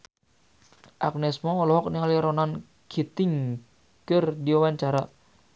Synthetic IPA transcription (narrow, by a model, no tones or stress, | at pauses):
ʔa̰k̚nɛsmɔːlɔɦɔk̚niŋaliɾɔnan | kʰit̪ɪŋ | kɨrdiwawaɲt͡ʃaɾa